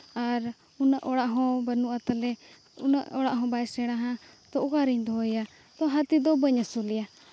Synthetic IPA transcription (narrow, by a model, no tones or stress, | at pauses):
aɾ | unaʔɔɽaʔɦɔ̃bənuʔat̪alɛ | unaʔɔɽaʔɦɔ̃baɛsɛɽ̃aɦãt̪ɔʔukaɾiɲd̪ɔɔja | t̪ɔɦat̪id̪ɔbəɲasulija